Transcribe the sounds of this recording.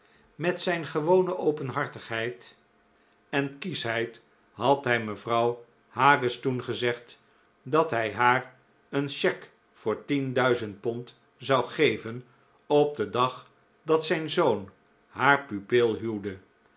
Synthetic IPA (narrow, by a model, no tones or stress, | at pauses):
mɛtsɛjnχəʋownəʔowpənɦɑɹtəχɦɛjt | ɛnkisɦɛjt | ɦɑtɦɛjməvrɑw | haːɡəstunχəzɛχt | dɑtɦɛjɦaːr | ənʃɛk | fʊːɹtindœɥzənt̚pɔnt | zɑwχejvən | ɔb̚dədɑχ | dɑtsɛjnzown | ɦaːɹpypɪlˠɦywdə